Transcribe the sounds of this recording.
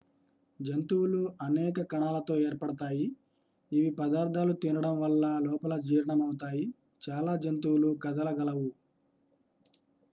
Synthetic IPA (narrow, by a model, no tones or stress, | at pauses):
d͡ʒɐnt̪uwuluɐnɛːkɐkɐɳaːlɐt̪o̞ːeːɾpɐɽɐt̪aːjiː | ʋipɐd̪aːɾd̪ʱaːlut̪inɐɽɐmʋɐlːɐlɔːpɐlɐd͡ʒiːɾɐɳɐmɐwut̪aːji | t͡ʃaːlaːd͡ʒɐnt̪uwulukɐd̪ɐlɐɡɐlɐʋu